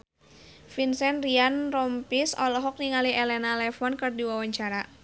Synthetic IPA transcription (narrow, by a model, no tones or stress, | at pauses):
finsɛnrianrɔmpisɔ̰lɔɦɔk̚niŋaliʔɛlɛnalɛfɔnkɨrdiwawaɲt͡ʃaɾa